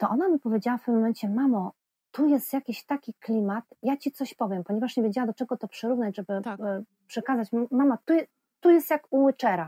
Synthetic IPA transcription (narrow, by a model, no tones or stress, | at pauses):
t̪ɔʔɔnamʲipɔvʲjed͡ʑawaft̪ɘmːɔmɛnt͡ɕɛmamɔ | t̪ujɛst̪jakʲiɕt̪akʲiklʲimat̪jat͡ɕit̪sɔɕpɔvʲjɛmpɔɲɛvaʂɲɛvʲjed͡ʑawad̪ɔt͡ʂɛɡɔt̪ɔpʂɛɾuvnad͡ʑʐɛbɘ | pʂɛkazat͡ɕmmamat̪ujɛ | t̪ujɛst̪jakuwɘt͡ʂɛɾa